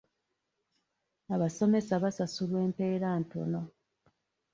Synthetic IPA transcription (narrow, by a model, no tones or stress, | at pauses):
aβaso̞me̞saβasasulwe̞ːmpe̞ːɾaːnto̞̰no̞